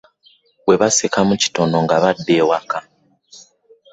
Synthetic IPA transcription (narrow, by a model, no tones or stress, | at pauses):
we̞βasekamuci̥to̞no̞ŋɡaβadːeːwaka